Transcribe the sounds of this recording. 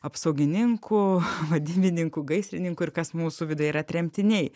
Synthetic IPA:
ɐpsɐʊɡʲɪnʲɪŋkʰʊʋɐd̪ʲɪbʲɪnʲɪŋkʊɡɐɪsʲɾʲɪnʲɪŋkʊɪrkɐsmuːsʊʋʲɪd̪ojiːɾɐt̪ʲɾʲɛmʲt̪ʲɪnʲɛɪ

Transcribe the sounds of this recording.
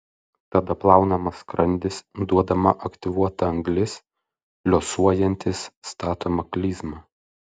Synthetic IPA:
t̪ɐd̪ɐplˠɑˑʊnɐmɐskɾɐnʲd̪ʲɪsd̪uɔd̪ɐmɐʔɐkt̪ʲɪʋuɔt̪ɐɐŋɡlʲɪs | lʲosuɔjɛnʲt̪ʲɪsːt̪ɑːt̪oːmɐklʲiːzmɑ

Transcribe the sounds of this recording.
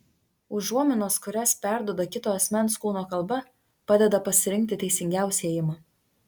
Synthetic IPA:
ʊuɔmʲɪnoːskʊɾʲɛspʲæˑɾd̪uɔd̪ɐkʲɪt̪oːɐsʲmʲɛnˑskuːnoːkɐlˠbɐ | pɑːd̪ʲɛd̪ɐpɐsʲɪɾʲɪŋʲk̚ʲt̪ʲɪt̪ʲɛɪsʲɪŋʲɡʲæˑʊsʲɛeːjɪmɑː

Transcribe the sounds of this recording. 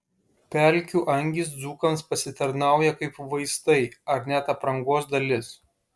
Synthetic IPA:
pʲɛlʲˑkʲuːʔɐŋʲɡʲiːs̬d̪zuːkɐnspɐsʲɪt̪ɐɾnɑˑʊjɛkɐɪpʋɐɪst̪ɐɪɐɾnʲɛt̪ɐpɾɐŋɡoːsd̪ɐlʲɪs

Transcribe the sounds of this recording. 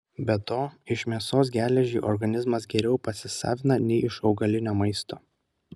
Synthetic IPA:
bʲɛt̪oːɪʃmʲiɛsoːsɡʲæːlʲɛʒʲiːʔɔɾɡɐnʲɪzmɐs̬ɡʲɛɾʲɛʊpɐsʲɪsɑ̰ːʋʲɪnɐnʲɛɪɪʃɒʊɡɐlʲɪnʲoːmɐɪst̪oː

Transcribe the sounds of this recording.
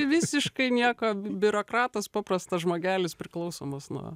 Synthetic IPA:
ɪʋʲɪsʲɪʃkɐɪnʲiɛkoːbʲʊɾoːkɾɑːt̪ɐspɑːprɐst̪ɐʒmoːɡʲæːlʲɪspʲɾʲɪklˠɐʊsoːmɐsnṵ

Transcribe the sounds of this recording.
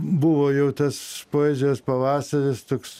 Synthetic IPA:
bʊʋoːjɛʊt̪ɐspoːeːzʲespɐʋɑːsɐɾʲɪst̪oːks

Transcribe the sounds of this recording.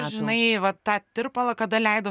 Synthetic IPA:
ʒʲɪnɐɪʋɐt̪t̪ːɑːt̪ʲɪrpɐlˠɐkɐd̪ɐlʲɛɪd̪o

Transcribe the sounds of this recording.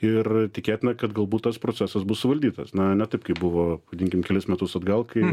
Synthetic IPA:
ɪrt̪ʲɪkʲeːtʲɪnɐkɐt̪ɡɐlˠbuːt̪tɐspɾoːt͡sʲsʲæsɐsbʊssʊʋɐlʲd̪ʲiːt̪ɐsnɐnʲɛt̪ɐɪp̚kɐɪpbʊʋoːʋɐdʲɪŋʲkʲɪmkʲɛlʲɪsmʲɛt̪ʊsɐd̪ɡɐlˠkɐɪ

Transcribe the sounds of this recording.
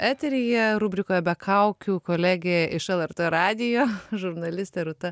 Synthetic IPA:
æːt̪ʲɛɾʲijɛɾʊbʲɾʲɪkoːjɛbʲɛkʰɐʊkʲukoːlʲæːɡʲeʔɪʃɛlˠɛɾt̪ɜɾɑːd̪ʲɪjoːʒʊɾnɐlʲɪsʲt̪ʲɛːɾʊt̪ɐ

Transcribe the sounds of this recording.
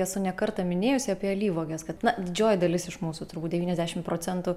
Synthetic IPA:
ɛsʊnʲɛkɐɾt̪ɐmʲɪnʲeːjʊsʲɪɐpʲeːɐlʲiːʋoːɡʲɛskɐt̪nɐd̪ʲɪd͡ʒʲoːjɪd̪ɐlʲɪsɪʃmuːsʊːt̪ʊɾbuːt̪̚dʲɛʋiːnɛzʲd̪ʲæːʃʲɪmpɾoːt͡s̪ʲɛnt̪uː

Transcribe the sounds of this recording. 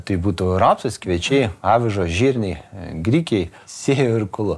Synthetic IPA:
t̪ɐɪbuːt̪ʊɾoːpsʲɐskʋʲɛt͡ʃʲɛɪpɑːʋʲɪʒoːʒʲiːɾʲnʲɛɪɡɾʲiːkʲɛɪ | sʲeːjoɪɾkʊlˠʊ

